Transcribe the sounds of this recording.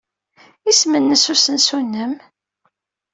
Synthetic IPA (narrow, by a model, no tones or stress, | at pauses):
ismənːəsusənsunːəm